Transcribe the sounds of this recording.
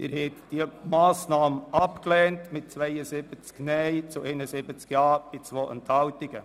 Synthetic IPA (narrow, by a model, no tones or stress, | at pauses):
ʔɪ̰ɾhɛt̪d̥iəmɑːsnɑːməʔɑpklɛːntmɪt̚t͡svɛɪəzɪbət͡sknɛɪt͡suʔɛɪnəsɪbət͡skjɑːb̥ɪt͡sʋoːʔə̰ntʰhɑltɪɡ̥ə